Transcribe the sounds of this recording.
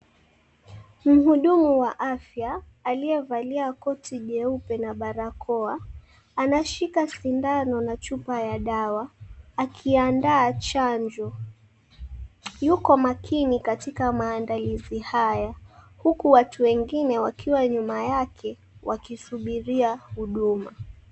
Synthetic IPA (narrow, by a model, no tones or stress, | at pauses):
m̩huɗumuwaʔafjaː | liɛvaliakɔtʰiʄɛupɛnaɓaɾakʰɔaː | naʃikasindanɔnat͡ʃupajaɗawaːkʰiandaːt͡ʃaɲd͡ʒɔ | jukɔmakʰinikatikamaːndalizihaja | hukuwatʰuwɛŋɡinɛwakʰiwaɲumajakʰɛ | wakisuɓiɾiahuɗuma